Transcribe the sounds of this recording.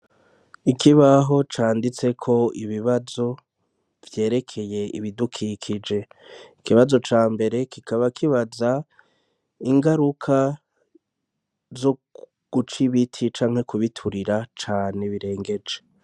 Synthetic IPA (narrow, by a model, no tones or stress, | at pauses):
ikʰiβaɦo̞t͡ʃaːndit͡se̞kʰo̞iβiβazo̞ | v̥je̞ːɾe̞kʰe̞je̞ḭβidukʰikʰid͡ʒe̞ikiβazo̞t͡ʃaːmbe̞ɾe̞kikaβakʰiβaza | iŋɡaɾukʰa | zo | ɡ̥ut͡ʃiβitʰit͡ʃaːŋhe̞kuβitʰuɾiɾat͡ʃaːne̞βiɾe̞ːŋɡe̞d͡ʒe